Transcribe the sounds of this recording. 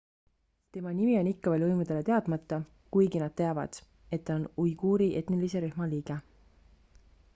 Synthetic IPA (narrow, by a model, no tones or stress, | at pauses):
t̪e̞mɑnimio̞nikːɑvelɤjmud̪̥e̞le̞t̪e̞ɑd̪̥mɑt̪ːˑɑ | kujɡinɑd̪̥̚t̪e̞ɑvɑ̰d̪̥ | e̞t̪ːɑonujɡ̥uːɾiʔe̞t̪nilise̞ɾyhmɑliːɡ̥e